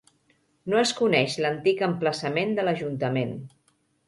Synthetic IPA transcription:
noəskunɛʃlənt̪ikəmpləsəmend̪ələʒunt̪əmen

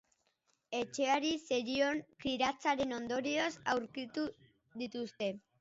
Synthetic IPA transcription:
e̞t͡ʃe̞aɾise̞ɾio̞ŋkiɾat͡saɾe̞no̞nd̪o̞ɾiosawɾkit̪u | ðit̪ust̪e̞

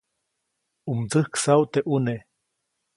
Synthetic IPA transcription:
umt͡sɨhksaut̪eʔune

